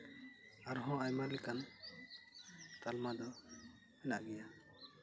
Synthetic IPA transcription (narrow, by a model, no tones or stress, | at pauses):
aɾɦɔ̃ajmalɛkan | t̪almad̪ɔ | mɛnaʔɡɛja